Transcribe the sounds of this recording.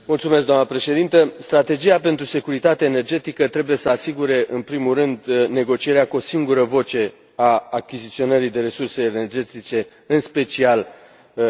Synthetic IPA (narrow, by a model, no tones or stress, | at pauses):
mult̪sumes̬ɡd̪oamnəpɾe̞ʃe̞d̪int̪əst̪ɾat̪e̞d͡ʒijape̞nt̪ɾuse̞kuɾit̪at̪eene̞rd͡ʒe̞t̪ikət̪ɾe̞buje̞səasiɡuɾe̞ʔɨnpɾimurɨnd̪ne̞ɡo̞t͡ʃije̞ɾeakuo̞siŋɡuɾəvo̞t͡ʃe̞ | aːkʲizit̪sio̞nəɾid̪e̞ɾe̞surseːne̞rd͡ʒe̞t̪it͡ʃe̞ | ɨnspe̞t͡ʃial